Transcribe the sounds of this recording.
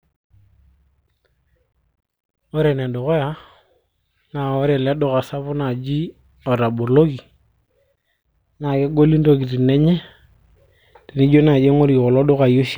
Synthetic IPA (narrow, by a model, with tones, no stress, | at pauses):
o˦ɾɛ˨ne˨do˨ko˦ja˦ | na˨o˦ɾɛ˨le˦do˦˨ka˨sa˦βʊ˦na˨d͡ʒi˦ | ɔ˨ɾa˨bo˨lo˦ki˨ | na˨ke˦ɡo˦li˦ndo˦ki˨ti˨nɛ˦ɲɛ˦ | te˨ni˦d͡ʒo˦na˨d͡ʒe˦ŋo˦ɾi˨kɔ˨lɔ˦dʊ˦ka˨jo˦ʃ